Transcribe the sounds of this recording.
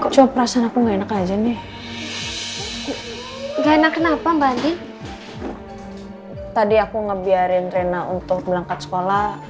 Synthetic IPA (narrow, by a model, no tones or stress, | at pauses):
t͡ʃuapəɾasanakuŋɡaenakad͡ʒanɪh | ŋɡaenakːənapambandɪ | t̪adiakuŋəbiaɾɪnrenaunt̪ʊk̚bəlaŋkat̪̚sə̥kola